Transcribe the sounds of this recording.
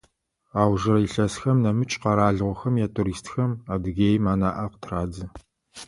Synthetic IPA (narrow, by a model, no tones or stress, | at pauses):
aːwʒɨɾɐiɬɐsxɐmnɐmɨt͡ʃʼqɐɾaːɮʁʷɔxɐmjaːtʰuɾiːstxɐmaːdɨɣeːjmaːna̰ːʔɐqətʰraːd͡zɨ